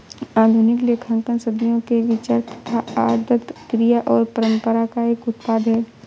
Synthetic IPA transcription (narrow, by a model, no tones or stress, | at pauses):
aːd̪ʱunɪkleːkʰə̃ŋkənsəd̪ijõkeʋɪt͡ʃaɾt̪ə̥t̪ʰaaːd̪ət̪kɾijaʔɔːɾpəɾə̃mpəɾakaeːkʊt̪paːd̪ɦɛː